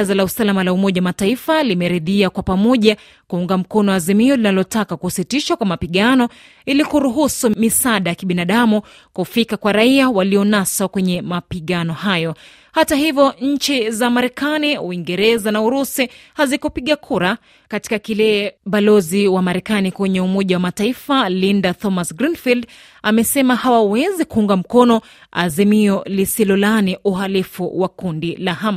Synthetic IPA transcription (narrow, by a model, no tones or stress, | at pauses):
zalausalamalaumɔʄawamataifalimɛɾɛðiakwapamɔʄa | kuuŋɡam̩kɔnɔazimiɔlinalɔtakakusitiʃakwamapiɠanɔ | ilikuɾuɦusumisaɗajakiɓinaɗamu | kufikakwaɾaiawaliɔnasakwɛɲɛmapiɠanɔhajɔ | hataɦivjɔɲ̩t͡ʃizamaɾɛkaniṵwiŋɡɛɾɛzanauɾusihazikɔpiɠakʰuɾa | kati̥kakilɛːɓalɔziwamaɾɛkanikwɛɲɛumɔʄawamataifalindat̪ɔmasɡɾinfild | amɛsɛmahawawɛzikuuŋɡam̩kɔnɔ | a̰zimiɔlisilɔlaniʔuɦalifṵwakundilaɦam